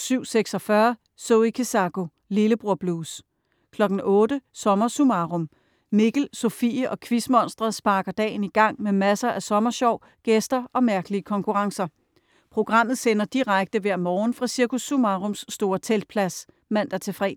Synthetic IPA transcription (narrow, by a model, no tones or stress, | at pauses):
syʊ̰seɡ̥sɒ̽fɶɐ | soʊikʰesɑ̈ɡ̥o̝ | liləb̥ʁuɐ̰b̥luːs | kʰlɒ̽ɡ̥n̩ʔɔ̽ːdəsɒ̽mɐsumɑ̈ʁɔm | me̝ɡ̥l̩sofḭːəʔɒ̽kʰʋismɒ̽n̰sd̥ʁɐsb̥ɑ̈ːɡ̥ɐd̥ɛ̰ːɪniɡ̥ɑ̈ŋ̰memæsɐʔæsɒ̽mɐɕɒʊ̰ | ɡ̥esd̥ɐʔɒ̽mæɐɡ̥əliəkʰɒ̽ŋkʰuʁɑ̈ŋsɐ | pʰʁo̝ɡ̥ʁɑ̈m̰ð̩ˠsenɐd̥iʁaɡ̥̚d̥əʋæɐ̰mɒːn̩fʁɑ̈siɐkʰusumɑʁɔ̽msːd̥o̝ːɐt͡sʰeld̥̚pʰlæs | mæn̰d̥æt͡sʰe̝fʁɛ̰ː